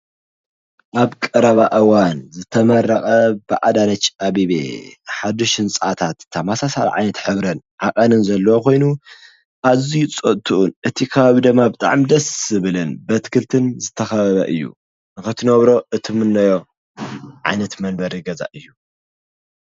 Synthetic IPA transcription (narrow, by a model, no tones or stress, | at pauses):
ʔaβkʼɐɾɐβaʔɨwanzɨt̪ʰɐmɐrːɐxʼɐbɨʔa̰d̪anɐt͡ʃːaβiβḛħad̪ɨʃɨnt͡sʼa̰t̪ʰat̪t̪ʰːamasasa̰l̰ʕa̰jnɐt̪ħɨβɾɨn | ʕa̰kʼɐnɨnzɐlːɐwokʰo̞jnu | ʔazit͡sʼɐt̪ʰuʔunʔɨt̪ʰikʰɐβaβid̪ɨmːabɨt̪ʼa̰ʕmid̪ɐsɨβɨlɨnbɐt̪kʰɨlt̪ʰɨnzɨt̪ʰːɐxɐɐβɐ̰ʔɨjːṵ | nɨxɐt̪ʰinoβɾo̞ɨt̪ʰimɨnːɐjo | ʕa̰jnɐt̪mɐnbɐɾiɡɐza̰ʔɨjːu